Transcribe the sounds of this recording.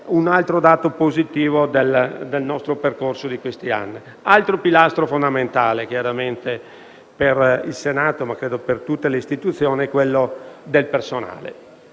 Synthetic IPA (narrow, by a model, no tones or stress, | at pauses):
unalt̪ɾod̪aːt̪opozit̪iːvod̪eld̪elnɔst̪ɾoperkorsod̪ikwest̪ia̰nːi | alt̪ɾopilast̪ɾofond̪ament̪aːlek̟jaɾament̪e | perilsenaːt̪omakːɾeːd̪opert̪ut̪ːeleist̪it̪ut̪sːjoːniɛkːwelːod̪elpersona̰ːlḛ